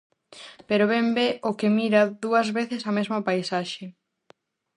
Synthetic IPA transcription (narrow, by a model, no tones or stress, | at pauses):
peɾoβembeʔokemiɾɐðuɐzβeθesɐmezmɐpajsaʃe